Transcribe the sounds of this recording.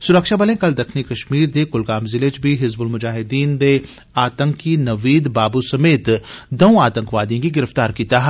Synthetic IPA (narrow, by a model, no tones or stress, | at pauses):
sʊɾəkʃabɐlẽkɐld̪ɐkʰnikɐʃmiːɾd̪ekʊlɡaːmzɪlet͡ʃbʱiɦɪzbʊlmʊd͡ʒaːɦɪd̪iːnd̪e | aːt̪ə̃ŋkːinɐʋiːd̪baːbusɐmeːt̪d̪ɐw̃aːt̪ə̃ŋkʋaːd̪ijõkiɡɪɾəft̪aːɾkiːt̪aɦɛ